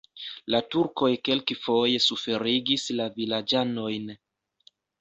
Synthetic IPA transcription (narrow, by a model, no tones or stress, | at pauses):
latuɾko̞jke̞lkifo̞jesufe̞ɾiɡislavilad͡ʒano̞jn